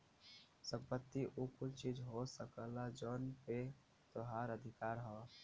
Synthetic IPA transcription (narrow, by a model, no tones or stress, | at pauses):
sə̃mpət̪ːiʔukʊt͡ʃt͡ʃiːd͡ʒɦosəkəlad͡ʒɔːnpe | t̪oɦaːɾəd̪ʱɪkaːɾɦɔː